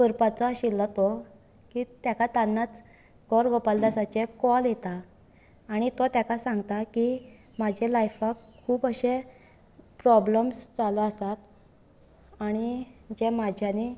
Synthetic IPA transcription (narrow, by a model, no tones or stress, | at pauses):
kəɾpat͡sɔɕilːɔt̪o | kit̪jakat̪anːat͡s | ɡɔɾɡʱopald̪əsat͡ɕekɔljet̪aː | ɽ̃it̪ot̪jakasãŋɡt̪aki | mad͡ʑelajfakʰːuːpəɕe | pɾɔbləmsd͡zaləəsat̪ | aɽ̃id͡ʑemad͡ʑʱjani